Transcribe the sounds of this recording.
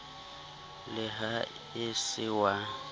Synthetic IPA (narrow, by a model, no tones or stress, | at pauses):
lɪɦa | ɪsɪwa